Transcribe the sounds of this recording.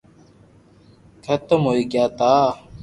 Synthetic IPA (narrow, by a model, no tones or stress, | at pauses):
kʰɐt̪əmɦoːiɡjaːt̪aː